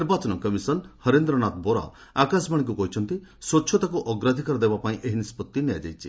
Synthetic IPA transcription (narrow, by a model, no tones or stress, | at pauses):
niɾbat͡ʃɔnɔkɔmisɔnhɔɾend̪ɾɔnat̪boɾa̰ | akasbaɽĩk̬ukɔɦit͡ʃʰɔnt̪isɔːt͡ʃʰɔt̪akuʔɔɡɾad̪ʱikɔɾɔd̪ebapaĩʔeɦinispɔt̪ːinejad͡ʒa̰jt͡ʃʰi